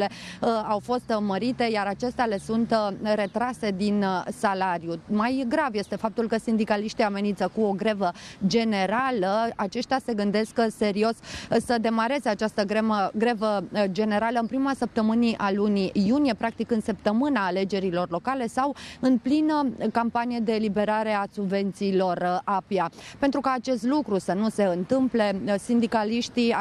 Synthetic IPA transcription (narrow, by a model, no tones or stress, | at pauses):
le̞awfo̞st̪məɾit̪e̞jaɾat͡ʃe̞st̪eale̞sunt̪re̞t̪ɾase̞d̪insalaɾjumajɡɾavje̞st̪e̞fap̚t̪ulkəsind̪ikaliʃt̪iame̞nint̪səkuo̞ɡɾe̞vəd͡ʒe̞ne̞ɾaləat͡ʃe̞ʃt̪ʲase̞ɡɨnd̪e̞skse̞ɾio̞ssəd̪e̞maɾe̞ze̞at͡ʃast̪əɡɾeməɡɾe̞vəd͡ʒe̞ne̞ɾaləɨnpɾimasəp̚t̪əmɨniʔalunijunije̞pɾak̚t̪ikɨnsəp̚t̪əmɨnaːle̞d͡ʒe̞ɾilo̞rlo̞kale̞sawɨnplinəkampanije̞d̪elibe̞ɾaɾe̞asubve̞nt̪siːlo̞rapjape̞nt̪ɾukaːt͡ʃe̞st̪lukɾusənuse̞ɨnt̪ɨmple̞sind̪ikaliʃt̪i